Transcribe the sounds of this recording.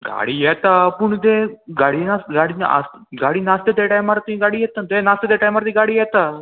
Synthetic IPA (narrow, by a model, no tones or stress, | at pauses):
ɡa̰ɽiːjɛt̪apuɳt̪eɡaɽinasɡaɽina̰sɡaɽiːnast̪et̪eʈajmaɾt̪ĩɡaɽiːjɛt̪at̪enast̪et̪eʈajmaɾt̪iɡaɽiːjɛt̪a